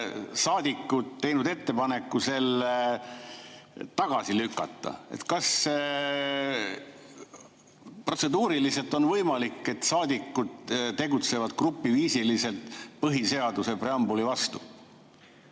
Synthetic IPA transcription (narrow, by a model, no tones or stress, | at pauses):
sɑːd̪̥ikːˑud̪̥t̪ːe̞jnud̪e̞t̪ːe̞pɑne̞kːˑuse̞lːe | t̪ɑɡ̥ɑsilykˑːɑ̰t̪ˑːɑ̰ḛt̪kɑs | pro̞t̪se̞d̪uːɾilise̞lt̪o̞nvɤjmɑlikːˑe̞t̪sɑːd̪̥ʲikːud̪t̪e̞ɡut̪se̞vɑd̪̥krupːiviːsilise̞lt̪pɤɦise̞ɑd̪use̞preɑmbulivɑst̪u̥